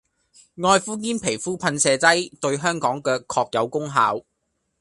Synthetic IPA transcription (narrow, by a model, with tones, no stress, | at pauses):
ŋɔː˧jfuː˥kiː˥npʰe˨˩jfuː˥pʰɐ˧nsɛː˨˧t͡sɐ˥jt̪ɵ˧ɥɦœː˥ŋkɔː˨˥ŋkɛː˧kʰɔː˧k̚jɐ˨˧wkʊ˥ŋɦaː˨˥w